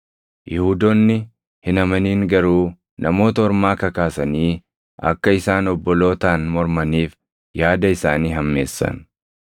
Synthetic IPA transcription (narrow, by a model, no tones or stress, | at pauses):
jɪhud̪ɔnːɪ | hɪnɐmɐniːŋɡɐɾuː | nʔɐmo̞ːt̪ɐɔɾmaːkɐkaːsɐniː | ɐ̰kːɐɪsaːnɔbːɔlo̞ːt̪aːnmɔɾmɐniːf | jaːd̪ɐɪsaːniːɦɐmːe̞̰ːsːɐ̰n